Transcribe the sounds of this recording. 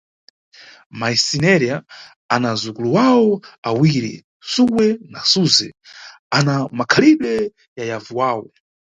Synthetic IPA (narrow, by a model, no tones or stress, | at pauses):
maisinɛɾja | anazukuluwawɔawiɾḭ | sukwɛnasuzɛ | anamakʰaliɗɛ | jajavuwaːwɔ